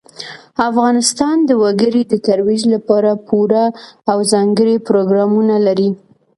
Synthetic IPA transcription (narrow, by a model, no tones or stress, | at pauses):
afɣɑnɪst̪ɑnd̪əwaɡəɾid̪ət̪aɾwid͡ʒlapɑɾapʰuɾaːwzɑŋɡəɽipɾoɡɾɑmunalaɾi